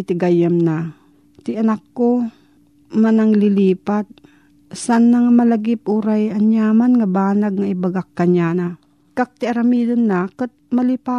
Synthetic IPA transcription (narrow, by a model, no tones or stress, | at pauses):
t̪ɪɡajamna | t̪ɪʔɐnakːo | manaŋlɪliːpat̪̚ | sanːaŋmɐlɐɡɪp̚ʔuɾajaɲjaːmanŋabaːnaɡ̚ŋaʔɪbaɡakːaɲana | kak̚t̪ɪʔaɾamid̪onːakət̪̚mɐlɪpaː